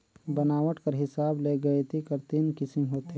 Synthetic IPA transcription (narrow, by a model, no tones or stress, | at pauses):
bɐnaːʋəʈkɐɾɦɪsaːbleːɡɐet̪ʰikɐɾt̪inkɪsɪ̃mɦoːt̪e